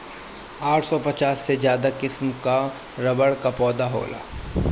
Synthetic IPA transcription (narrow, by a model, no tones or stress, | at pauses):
aːʈʰsɔpɐt͡ʃaːsːed͡ʒjaːd̪akɪsmka | ɾɐbəɽkapɔːd̪aɦo̰ːla̰ː